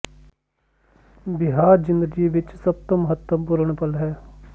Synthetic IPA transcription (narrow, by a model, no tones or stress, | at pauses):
bɪɦaːɾd͡ʒɪ̃nd̪əd͡ʒiʋɪt͡ʃsɐb̚t̪omɐɦət̪əmpuɾəɳ̃pəlɦɛː